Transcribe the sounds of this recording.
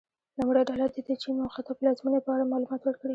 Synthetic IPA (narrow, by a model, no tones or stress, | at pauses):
namɽiad̪ɑlat̪̚d̪id̪ət͡ʃimawxat̪ɑplɑzmunepəaɽamɑlumɑt̪wəɾkɽi